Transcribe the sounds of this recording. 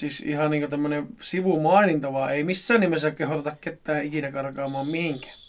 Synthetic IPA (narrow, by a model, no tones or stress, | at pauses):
siːsḭhɑnniːŋkot̪æmːønesiʋumɑˑinint̪ɑʋɑːeimisːæːnnimːesækehot̪et̪ɑkket̪ːæːʔikinækɑrkɑːmɑːmmihiŋkæ̥ː